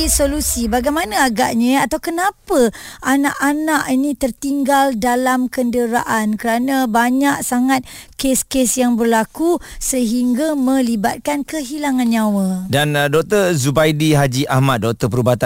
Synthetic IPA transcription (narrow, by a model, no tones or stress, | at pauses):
isolusibaɡajmanaaɡa̰ʔɲəat̪awkənapəʔanaʔanaʔinĩt̪ərt̪iŋɡaldalamkəndəɾa̰ʔankəɾanabaɲaʔsaŋat̪̚keskesjaŋbərlakusəɦiŋɡamə̃libat̪̚kankəɦilaŋanɲawədandɔk̚t̪ərzubajdiɦad͡ʒiʔahmat̪̚dɔk̚t̪əpəɾubat̪a